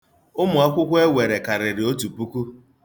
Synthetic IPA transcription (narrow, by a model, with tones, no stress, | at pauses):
ʊ˦mʊ˨a˦kʷʊ˦kʷe˦we˨ɾe˨ka˨ɾɪ˨ɾɪ˨o˦tu˨pu˦ku˦